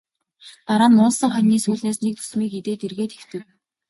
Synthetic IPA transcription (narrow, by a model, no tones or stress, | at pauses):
t̪aɾaːnːʊːnsə̆ŋχœnʲiːsuːɮneːsnek̚t̪ʰɵ̥smiːkit̪eːt̪erɣeːt̪e̥w̥t̪ɘ̆w